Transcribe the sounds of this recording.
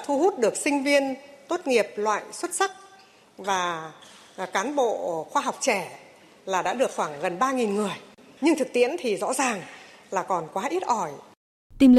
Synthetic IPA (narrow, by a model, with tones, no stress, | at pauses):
t̪ʰu˧ɦu˦˥t̚ɗɨ˨˩ək̚sï˧ŋ̟vi˧ənt̪o˦˥t̚ŋi˨˩əp̚lwa̰ː˧˨jswə˦˥t̚sa˦˥k̚ | vaː˨˩ | kaː˨˦nɓo̰˧˨xwaː˧ɦa˨˩wk͡p̚t͡ɕɛ˧˩ | laː˨˩ɗa̰ː˧˥ɗɨ˨˩ək̚xwaː˧˩ŋɣə˨˩nɓaː˧ŋi˨˩nŋɨ˨˩əjɲɨ˧ŋt̪ʰɨ˨˩k̚t̪ḭ˧˥ənt̪ʰi˨˩zɔ̰˧˥zaː˨˩ŋlaː˨˩kɔ˨˩nkwaː˨˦ʔi˦˥t̚ʔɔ˧˩j | t̪i˧ml